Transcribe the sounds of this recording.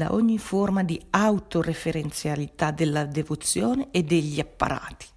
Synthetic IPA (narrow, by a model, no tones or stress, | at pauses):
d̪a̰ʔɔɲːiformad̪iawt̪orefeɾent̪sjalit̪ad̪elːad̪evot̪sːjɔːneed̪eʎːiapːa̰ɾa̰ːt̪i̥